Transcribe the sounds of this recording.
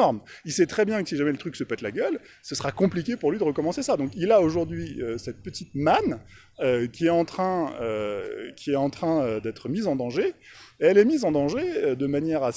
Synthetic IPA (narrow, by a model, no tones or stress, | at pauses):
ɔʁmilsɛt̪χɛbjɛ̃kə̥siʒamɛlət̪χyksəpɛt̪laɡʲœl | səsχakɔ̃plikʲepuʁlɥid̪əʁəkɔmɑ̃sesad̪ɔ̃kilaoʒuʁd̪ɥiøsɛt̪̚pət̪it̪man | økʲiɛt̪ɑ̃t̪χɛ̃økʲiɛɑ̃t̪χɛ̃ød̪ɛt̪χəmizɑ̃d̪ɑ̃ʒeeɛlɛmizɑ̃d̪ɑ̃ʒeød̪əmanjɛʁa